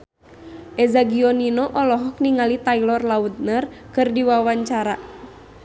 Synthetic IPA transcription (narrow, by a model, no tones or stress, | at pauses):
ʔɛzaɡiɔninɔʔɔlɔɦɔk̚niŋalit̪ailɔrlaut̪̚nərkɨrdiwawaɲt͡ʃaɾa